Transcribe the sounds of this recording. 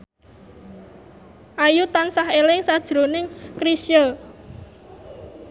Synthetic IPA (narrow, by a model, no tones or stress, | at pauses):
ʔajut̪ansahelɪŋsad̥ʒ̥ɾo̤nɪŋkɾisjə